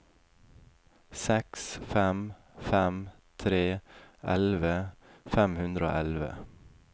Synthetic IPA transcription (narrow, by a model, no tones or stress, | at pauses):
sɛksfɛm | fæm | t̪ʰɾeːʔɛlʋəfɛmhʉnd̪ɾəo̰ːʔɛlʋə̰